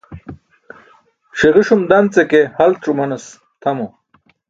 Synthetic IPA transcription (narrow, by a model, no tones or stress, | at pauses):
ɕiʁiʂumd̪ɐnt͡sekehɐlʈ͡ʂumɐnɐs | t̪ʰɐmo